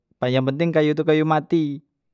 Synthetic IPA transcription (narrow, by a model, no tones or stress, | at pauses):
paɲd͡ʒaŋpənt̪ɪŋkajut̪ukajumat̪i